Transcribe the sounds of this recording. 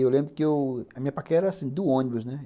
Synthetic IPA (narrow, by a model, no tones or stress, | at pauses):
ewlẽbɾʊkɪewɐmĩɲɐpakɛɛɾɐasĩd̪ʊõnibʊznɛ